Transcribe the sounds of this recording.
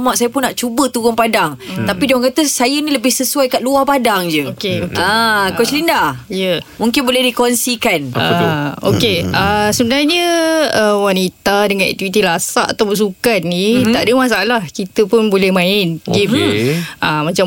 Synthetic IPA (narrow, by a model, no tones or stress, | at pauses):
maʔsajapʊnːaʔt͡ʃubət̪uɣʊŋpadaŋt̪apidɔɦaŋkat̪əsajəniləbɪhsəsuajkaʔ̪̚luahpadaŋd͡ʒəokeokakot͡ʃlindaijəmũŋkɪnbolɛhdikonsikanəo̰keəsəbənarɲəəwanit̪adəŋanʔɛ̰t̪iit̪ilasaʔat̪awbəns̬ukat̪̚nit̪aʔdəmas̬alahkit̪əpʊnbolɛhmãɪnɡifʔamat͡ʃa